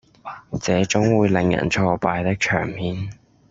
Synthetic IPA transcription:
t͡sɛː˨˥t͡sʊ˨˥ŋwuː˨˧jlɪ˨˧ŋjɐ̰˨˩nt͡ʃʰɔː˧paː˧jt̪ɪ˥k̚t͡ʃʰœ̰ː˨˩ŋmiː˨˥n

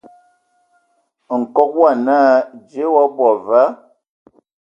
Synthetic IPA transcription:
ŋ̩˨kɔ˦k̚wa˦˨naː˦d͡ʒe˨˦wɔ˦bɔ˨va˦

